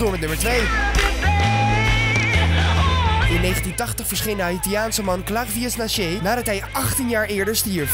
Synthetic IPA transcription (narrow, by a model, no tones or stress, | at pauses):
oːmətnɵməɹtʋej | ɪnːejχəntintɑχtəχfəɹsχejnəaitjaːnsəmɑnklaχviɛsnaʃenaːdɑtɦɛjʔɑχtinjaːɹɪːɹdəɹstiɹf